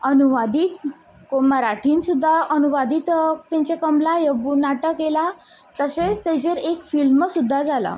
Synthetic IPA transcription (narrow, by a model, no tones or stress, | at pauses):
ənuʋad̪iːt̪ | komaɾaʈʰiːnsud̪ʱːaənuʋad̪iːt̪t̪ɛ̃ɲt͡ɕakəmlajəbunaʈəkːela | t̪əset͡st̪ed͡ʑeɾekfilmsud̪ʱːad͡zʱala̰